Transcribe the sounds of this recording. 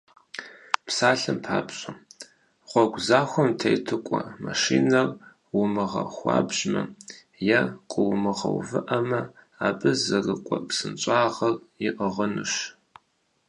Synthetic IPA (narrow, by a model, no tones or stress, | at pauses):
psaːɬɨmpʰaːpɕʼɐ | ʁʷɔɡʷzaːxʷɔmtʰejtʰɨkʷʼɔmaʂiːnɐr | wʊmɨʁɐxʷɑ̰ːbʒmɐ | jɐqʷʼəwmɨʁɐ̰wvɨʔɐmɐ | aːbʼɨzɐrɨkʷʼɔpsɨnt͡ʃʷʼaːʁɐrjɪʔəʁənɨʃ